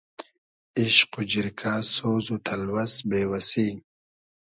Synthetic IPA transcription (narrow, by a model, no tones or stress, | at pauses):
iʃqud͡ʑiɾkʰaːsoːzut̪ʰɐlwɐsbeːwɐsiː